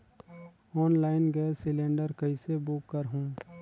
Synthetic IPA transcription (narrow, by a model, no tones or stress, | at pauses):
ɔːnlaːɪnɡɛesɪlẽːɳɖəɾkɐisebʊkːəɾɦũː